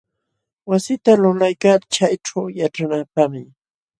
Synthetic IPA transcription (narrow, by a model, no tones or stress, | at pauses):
wasɪt̪alʊlajkat͡ʃajʈ͡ʂawjaʈ͡ʂanapamɪ